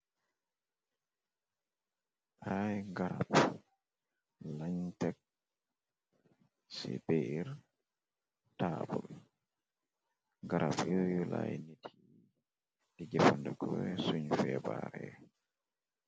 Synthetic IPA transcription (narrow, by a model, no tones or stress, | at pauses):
ʔajŋɡaɾap | laɲtɛk̚ | sɛ̰beʔiɾ | tabɔl | ŋɡaɾapjɔjulajnetʰi | ɛɡɛfɔndɛkʰɔwɛsuɲfɛbaɾɛ